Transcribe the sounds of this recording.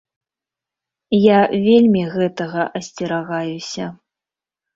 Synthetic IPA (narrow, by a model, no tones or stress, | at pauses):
javʲelʲmʲiɣɛt̪ɐɣɐʔɐsʲt͡sʲɛɾaɣajusʲɐ